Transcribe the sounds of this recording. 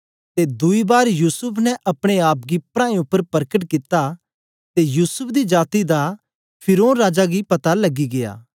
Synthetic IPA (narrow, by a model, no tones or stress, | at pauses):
t̪ed̪ʊibaːɾjuːsʊpʰnɛʔɐpɽ̃eaːpɡipɾãːẽʊpːəɾpɐɾkəʈkɪt̪a | t̪ejuːsʊpʰd̪id͡ʒaːt̪id̪a | pʰɪɾoːnɾaːd͡ʒaɡipɐt̪alɐɡiɡeja̰ː